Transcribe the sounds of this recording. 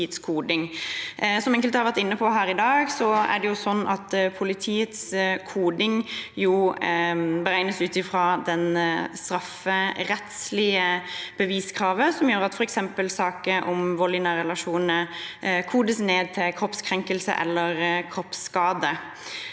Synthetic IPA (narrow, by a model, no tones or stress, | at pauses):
t̪skʰuːd̪ɪŋ | sɔmɛŋkəlt̪hɑɾʋæʈt̪ɪnːəpʰɔɦæːɾɪd̪ɑːɡsɔæ̰ɖɛjʊsɔnːɑt̪pʰʊlɪt̪ʰiːət̪skʰuːd̪ɪŋjʊ | bəɾæɪnəsʉːt̪ɪfɾɑːd̪ɛnst̪ɾɑfːəɾɛt̪slɪəb̥əʋiːskʰɾɑːʋəsɔmjøːɾɑt̪fɔɾɛksɛmpəlsɑːkəʔɔmʋɔlɪnəɾɛlɑʂuːnənəkʰuːd̪əsneːd̪̚t̪ʰɪlkʰɾɔpskʰɾɛŋkəlsə̰ʔɛ̰lːəɾkʰɾɔpskɑːd̪ə